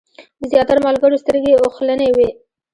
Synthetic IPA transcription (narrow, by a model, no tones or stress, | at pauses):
d̪əzjɑt̪aɾamɑlɡəɽost̪əɾɡeoxlənewe